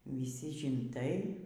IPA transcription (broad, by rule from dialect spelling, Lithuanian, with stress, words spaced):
ʋʲɪˈsʲiː ʒʲɪnˈtɐɪ